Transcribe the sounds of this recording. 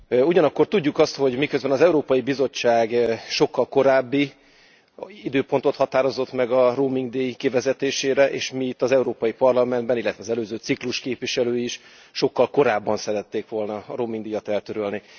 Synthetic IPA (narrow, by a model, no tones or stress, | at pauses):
uɟɒnɒkːo̞rt̪uɟːukɒst̪ho̞ɟmikøzbɛnɒzɛuɾoːpɒjibizo̞t͡ʃːaːɡʃo̞kːɒlko̞ɾaːbːi | id̪øːpo̞n̪t̪o̞t̪hɒt̪aːɾo̞zo̞t̪mɛɡɒroːmiŋɡd̪eːjikivɛzɛt̪eːʃeːɾɛʔḛːʃmiit̪ːɒzɛuɾoːpɒjipɒrlɒmɛnd̪bɛnilːɛt̪ʋɛɒzɛløːzøːt̪sikluʃkeːpviʃɛløːjiiʃ | ʃo̞kːɒlko̞ɾaːbːɒnsɛɾɛt̪ːeːkʋo̞lnɒɾoːmiŋɡd̪ijɒt̪ɛlt̪øɾølni